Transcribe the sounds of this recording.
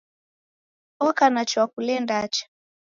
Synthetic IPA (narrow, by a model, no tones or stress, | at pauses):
ɔkanat͡ʃɔwakulɛndat͡ʃḁ